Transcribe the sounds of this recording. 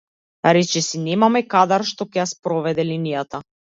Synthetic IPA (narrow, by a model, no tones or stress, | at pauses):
ɾɛt͡ʃɛsinɛmamɛkad̪aɾʃt̪ɔcɛjaspɾɔvɛd̪ɛlinijat̪a